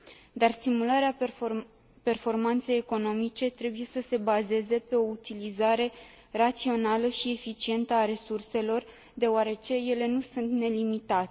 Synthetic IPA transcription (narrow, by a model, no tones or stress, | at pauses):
d̪arst̪imulaɾea | pe̞rfo̞rmant̪se̞jeko̞no̞mit͡ʃe̞t̪ɾe̞buje̞səse̞baze̞ze̞pe̞o̞ut̪ilizaɾe̞ | rat̪sio̞naləʃie̞fit͡ʃie̞nt̪əaɾe̞surse̞lo̞r | d̪e̞oaɾe̞t͡ʃe̞je̞le̞nusunt̪ne̞limit̪at̪e